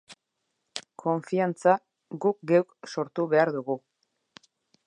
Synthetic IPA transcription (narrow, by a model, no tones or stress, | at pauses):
kʰo̞ɱfiant͡sa | ɡuk̚ɡewkso̞ɾt̪uβe̞aɾðuɣu